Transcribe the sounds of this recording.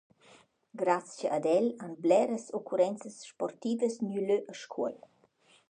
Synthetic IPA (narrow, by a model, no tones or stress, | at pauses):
ɡɾascəʔːd̪ɛlanblɛɾəsokʰuɾɛnt͡səsʃpɔrt̪iːvəsnyløʔəʃkʰuɔl